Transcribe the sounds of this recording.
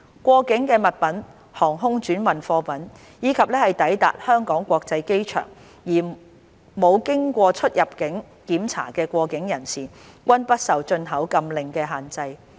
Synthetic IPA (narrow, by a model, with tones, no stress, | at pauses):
kʷɔː˧kɪ˨˥ŋkɛː˧mɐ˨t̚pɐ˨˥n | hɔː˨˩ŋɦʊ˥ŋt͡ʃyː˨˥nwɐ˨˩nfɔː˧pɐ˨˥n | jiː˨˧kʰɐ˨p̚lɛː˥hɐ˨jt̪ɐ˨˥jt̪a̰ː˨t̚hœː˥ŋkɔː˨˥ŋkʷɔː˧k̚t͡sɐ˧jke˥jt͡ʃʰœ̰ː˨˩ŋ | jiː˨˩ | mo˨˧wkɪ˥ŋkʷɔː˧t͡ʃʰɵ˥t̚jɐ˨˩p̚kɪ˨˥ŋ | kiː˨˥mt͡sʰa̰ː˨˩kɛː˧kʷɔː˧kɪ˨˥ŋjɐ˨˩nsiː˨kʷɐ˥npɐ˥t̚sɐ˨wt͡ʃɵ˧nɦɐ˨˥wkɐ˧mlɪ˨ŋkɛː˧ɦaː˨nt͡sɐ˧j